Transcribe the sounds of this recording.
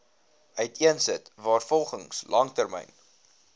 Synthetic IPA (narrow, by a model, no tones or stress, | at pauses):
œtiənsətvɑːrfɔlˠχəŋslʔɐŋtərmɛ̰jn